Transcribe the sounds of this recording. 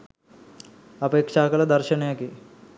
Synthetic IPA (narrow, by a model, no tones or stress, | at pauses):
əpekʂakəlad̪əɾɕənjaki